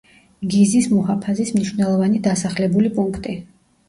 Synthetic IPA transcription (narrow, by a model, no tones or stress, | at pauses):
ɡizismɔɦapʰazismniʃwvnɛlˠɔvanid̪asaχlɛbulipʼuŋkʰt̪ʼi